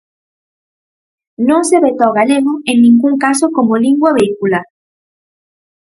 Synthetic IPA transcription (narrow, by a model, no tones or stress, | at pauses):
nõseβet̪oɣaleɣoennĩŋɡuŋkasokomoliŋɡwaβeikulaɾ